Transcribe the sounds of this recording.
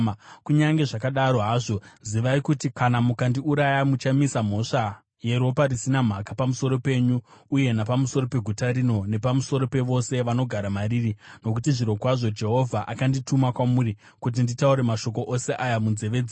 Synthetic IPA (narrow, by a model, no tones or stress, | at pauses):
kuɲaŋɡe̞ʐakaɗaɾo̞ɦaʐo̞ziʋaikutikanamukandiuɾajamut͡ʃamisam̤o̞ʂa | je̞ɾo̞paɾisinam̤akapamuso̞ɾo̞pe̞ɲuːje̞napamuso̞ɾo̞pe̞ɡʱutaɾino̞ne̞pamuso̞ɾo̞pe̞ʋo̞se̞ʋano̞ɡʱaɾamaɾirino̞k̬utiʐiɾo̞kwaʐo̞d͡ʒe̞ɦo̞vʱaʔakanditumakwamuɾi | kut̬inditauɾe̞maʃo̞ko̞ʔose̞ʔajamunze̞ʋe̞d͡ze